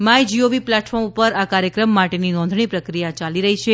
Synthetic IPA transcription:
majd͡ʒioʋiplɛʈfɔɾmupəɾakaɾjəkɾəmːaʈeninɔ̃nd̪ʱɳ̃ipɾəkɾijat͡ʃaliɾəɦit͡ʃʰe

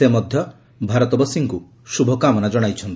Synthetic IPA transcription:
emɔd̪ʱjɔ | bʱaɾɔt̪ɔbɔsiŋku | ʃubʱɔkamɔnad͡ʒɔɽ̃ajt͡ʃʰɔnt̪i

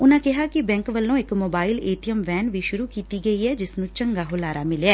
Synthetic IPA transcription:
ʊnãːkɪɦaːkɪbɛ̃ːŋkʋəlːõːɪkmoːbaːɪleːt̪ɪjəmʋɛːnʋiːʃʊɾuːkiːt̪iːɡəiːɛːd͡ʒɪsnũːt͡ʃəŋɡaːɦʊlaːɾaːmɪleaː

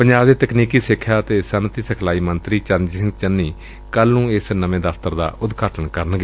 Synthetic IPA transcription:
pəɲaːd̪eːt̪əkniːkiːsɪkʰːaːt̪eːsənt̪iːsəkʰlaːiːmənt̪ɾiːt͡ʃənsɪŋɡt͡ʃənːiː | kəlnũːɪsnəʋẽːd̪əft̪əɾd̪a̰ːʔʊd̪ɡaːʈənkəɾənɡeː

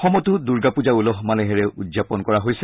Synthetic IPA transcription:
xɔmɔtuduɹɡapuzaulɔɦmaleɦɛɹɛʔudzapɔnkɔɹaɦojsɛ

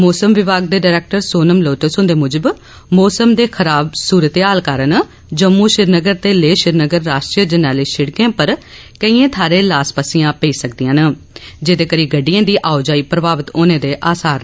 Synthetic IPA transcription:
moːsəmʋɪbaːɡ̚d̪eːɖaːɾɛːk̚ʈəɾsoːnəmloːʈesʊnd̪eːmʊd͡ʒəb | moːsəmd̪eːkʰəɾaːbsuːɾət̪eɦaːlkaːɾən | d͡ʒəmːuːʃɪɾnəɡəɾt̪eːleːʃɪɾnəɡəɾːaːʃʈɾiːəd͡ʒənɛːliːʃɪɽkẽːpəɾ | kəiːẽːt̪ʰaːɾeːlaːspaːsɪjãːpəiːsək̚d̪ijãːnə | d͡ʒeːd̪eːkəɾiːɡəɖːɪjãːd̪iːʔaːʊd͡ʒaːiːpɾəbaːʋət̪oːnẽːd̪eːʔaːsaːɾ

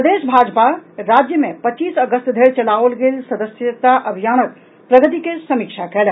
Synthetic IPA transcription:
pəd̪esbʱad͡ʒpaɾad͡ʒjəmepətːt͡ʃisəɡəst̪d̪ʱeɾt͡ʃəlaʋlɡelsəd̪əsjət̪aʔəbʱijanət̪̚ | pɾəɡət̪̬ikesəmikt͡ʃʰakɛl

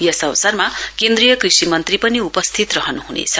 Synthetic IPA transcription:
jʌsʌwsarmakẽnd̪rijʌkrisimʌnt̪ripʌniupʌst̪ʰit̪rʌɦʌnuɦunḛt͡sʰʌ

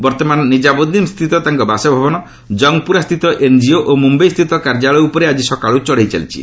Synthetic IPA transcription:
bɔɾt̪ɔmanɔnid͡ʒabod̪imst̪ʰit̪ɔt̪aŋkɔbasɔbʱabɔnɔ | d͡ʒɔŋɡpuɾast̪ʰit̪ɔʔend͡ʒioʔomumbejst̪ʰit̪ɔkaɾd͡ʒaɭɔjupɔɾead͡ʒisɔkaɭut͡ʃɔɽejt͡ʃa̰lit͡ʃʰḭ

